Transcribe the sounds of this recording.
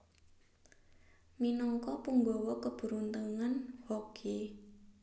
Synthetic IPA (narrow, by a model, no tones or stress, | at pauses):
minɔŋkɔpuŋɡɔwɔkəb̥ṳɾunt̪əŋanhokʰe